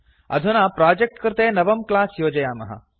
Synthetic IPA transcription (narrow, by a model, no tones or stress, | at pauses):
ɐ̰d̪ʱunaːpɾaːd͡ʒek̚ʈkɐɾt̪eːnɐʋɐmklaːsjoːd͡ʒɐjaːmɐ̰ɦɐ̰